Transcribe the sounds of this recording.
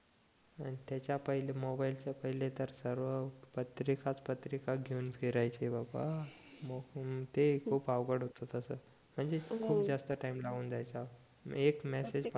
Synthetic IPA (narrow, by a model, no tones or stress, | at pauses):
añit̪jat͡ɕjapəɦilemobailt͡ɕjapəɦilet̪əɾsəɾʋəpət̪ɾikat͡spət̪ɾikaɡʱeunfʰiɾajt͡ɕebaba | mot̪ekʰuːpaʋɡəɽɦot̪ət̪əsəː | m̤əɳd͡zekʰuːpd͡zast̪əʈaimlauːnd͡zajt͡sa | ekmɛsed͡zp